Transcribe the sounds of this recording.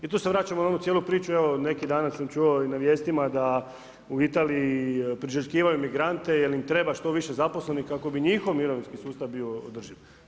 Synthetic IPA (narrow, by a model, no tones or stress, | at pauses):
it̪ose̞ʋɾaːt͡ɕamonaonut̪jelupɾiːt͡ʃueʋone̞kid̪aːnasamt͡ʃuo̞inaʋje̞ːst̪imad̪a | uit̪aːliipɾiʒəkiːʋajumiɡɾant̪e̞jelimt̪ɾe̞baʃt̪o̞ʋiʃe̞zapo̞slenikako̞biɲixoʋmiɾo̞ʋinskisuːst̪aʋbiood̪r̩ʒiʋ